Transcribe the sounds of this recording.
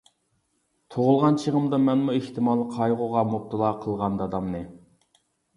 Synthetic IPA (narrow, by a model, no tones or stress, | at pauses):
t̪ʰoʁʊlˠʁɑnt͡ʃʰəʁəmd̪ɑmɛnmueht̪ʰɪmɑːlˠəqʰɑjʁʊʁɑmop̚t̪ʰɨlˠɑqʰəlˠʁɑnd̪ɑd̪ɑmnɨ